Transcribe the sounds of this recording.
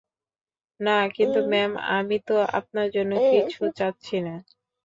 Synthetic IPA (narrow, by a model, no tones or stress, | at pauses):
nakint̪umɛma̰mit̪oa̰p̚naɾd͡ʑonːokit͡ɕʰut͡ɕatːɕʰina